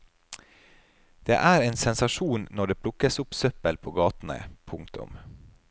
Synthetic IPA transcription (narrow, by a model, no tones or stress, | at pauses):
d̪̥ḛːʔæːɾeːnsɛnsɑʃuːnnɔɖeːpʰlʊkəsʊpsœpəlpʰoːɡɑːt̪n̩ə̰pʰʊŋk̚t̪ʊ̰m